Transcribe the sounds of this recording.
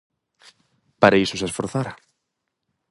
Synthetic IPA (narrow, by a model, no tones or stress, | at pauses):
paɾaisʊsesfoɾθaɾa